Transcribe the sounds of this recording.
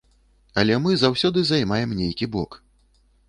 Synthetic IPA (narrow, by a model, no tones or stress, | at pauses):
ɐlʲɛmɨzawsʲɔd̪ɨzajmajɛmnʲejkʲibɔk